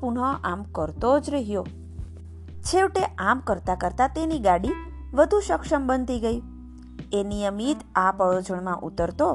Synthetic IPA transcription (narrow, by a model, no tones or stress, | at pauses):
puɳɔʔamkəɾt̪od͡ʒɾəɦjo | t͡ʃʰeʋʈeʔamkəɾt̪akəɾt̪at̪eniɡaɽi | ʋəd̪ʱũʃəkʃəmbənd̪ʱiɡəi | enijəmit̪apəɭod͡ʒəɳmãʔut̪əɾt̪o